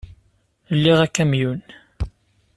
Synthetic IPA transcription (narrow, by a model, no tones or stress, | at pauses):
lːiʁækːæmjun